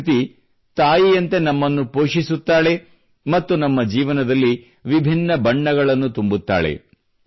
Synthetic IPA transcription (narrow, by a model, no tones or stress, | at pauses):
t̪i | t̪aːjijɐnt̪e̞nɐmːɐnːupoːʂisut̪ːaːɭe̞ | mɐt̪ːunɐmːɐd͡ʒiːʋɐnɐd̪ɐlːi | ʋibʱinːɐbɐɳːɐɡɐɭɐnːut̪umbut̪ːa̰ːɭe̞̰